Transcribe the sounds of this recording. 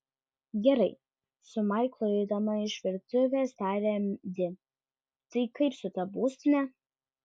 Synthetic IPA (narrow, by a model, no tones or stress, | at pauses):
ɡʲɛɾɐɪ | sʊmɐɪklˠoɪd̪ɐmɐɪʃʋʲɪɾt̪ʊʋʲeːst̪ɑːɾʲeːmd̪ʲɪ | t̪ɐɪkɐɪpsʊt̪ɐbuːsʲt̪ʲɪnʲɛ